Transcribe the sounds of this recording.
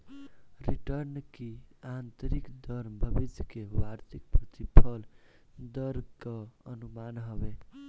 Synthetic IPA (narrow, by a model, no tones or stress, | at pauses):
ɾiʈəɾnkiant̪ɾikd̪əɾmbʱəbid͡ʒkewaɾt̪ʰik̚pɾət̪ipʰəl | d̪əɾkəənumanɦəbe